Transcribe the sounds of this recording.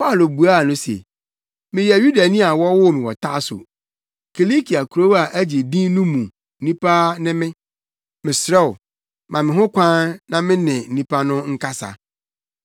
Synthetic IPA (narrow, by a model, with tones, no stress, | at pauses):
pa˦˨lo˨bu˨a˦˨nʊ̃˦sḛ˨ | mɪ̃˨jɛ˨ju˦da˨nĩ˦a˨wɔ˦wʊ˦˨mɪ̃˨wɔ˨tʰa˦sʊ̰˨ | kʰi˨li˦kʰi˨a˨kʰu˨ɾo˦a˨ʔæ˦d͡ʑi˨dĩ˦nũ˦mũ˨ | n̩˦nĩ˦pʰa˦nɪ̃˦mɪ̃˦ | mɪ̃˨sɾɛ˦˨wʊ˨ | mʔã˨mɪ̃˨ɦʊ̃˦kʷʰã˦nã˦mɪ̃˦nɪ̃˨n̩˨nĩ˦pʰa˦nʊ̃˦ŋ̩˦kʰa˦sa̰˨